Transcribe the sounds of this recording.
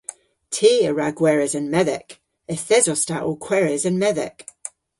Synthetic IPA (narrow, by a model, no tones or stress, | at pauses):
tʰiːəɹaɡwɛɹɛzənmɛðɛ̰k | əθɛzɔstaʔokʰw̥ɛɹɛzənmɛðɛ̰k